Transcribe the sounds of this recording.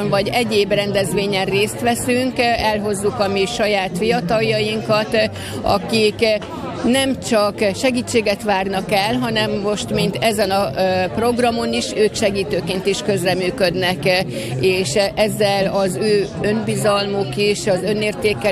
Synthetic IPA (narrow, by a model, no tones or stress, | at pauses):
nvɒɟɛɟeːbrɛnd̪ɛzʋeːɲɛnreːst̪ʋɛsyŋkɛlɦo̞zːukɒmiʃɒjaːt̪fijɒt̪ɒljɒjiŋkɒt̪ | ɒ̰kik | nɛmt͡ʃɒkʃɛɡiːt͡ʃːeːɡɛt̪ʋaːrnɒkɛlɦɒnɛmːo̞ʃt̪mint̪ɛzɛnɒpro̞ɡrɒmo̞niʃøːkʃɛɡiːt̪øːkeːnt̪iʃkø̞zrɛmyːkø̞d̪nɛk | eːʃɛzːɛlɒzøːø̞nbizɒlmokiʃɒzø̞neːrt̪eːkːɛ